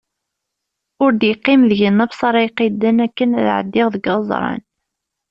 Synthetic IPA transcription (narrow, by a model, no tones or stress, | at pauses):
ʊɾd̪jiqːimðəʝənːæbsˤɑɾˤɑjqid̪ːənækːənæðʕə̰d̪ːɪʁðəɡɑzˤɾˤɑ̰n